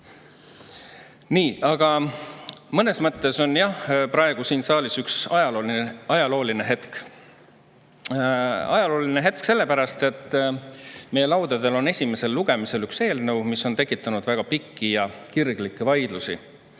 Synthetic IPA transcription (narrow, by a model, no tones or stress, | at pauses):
niːɑɡ̥ɑ | mɤne̞smɤt̪ːˑe̞so̞njɑhpɾɑe̞ɡ̥usiːnsɑːlisyksɑjɑlolɑjɑlo̞ːline̞ɦe̞t̪k | ɑ̰jɑlo̞ːlineɦe̞t̪̚kse̞lːe̞pæɾɑst̪e̞t̪ːˑ | me̞jːe̞lɑwd̪̥ed̪̥e̞lo̞ne̞sʲime̞se̞lːuɡ̥e̞mise̞lykse̞ːlnɤwmisːo̞nt̪e̞kːˑit̪ːˑɑnud̪̥væɡ̥ɑpikːijɑkirɡ̥likːˑe̞vɑjd̪lusḭ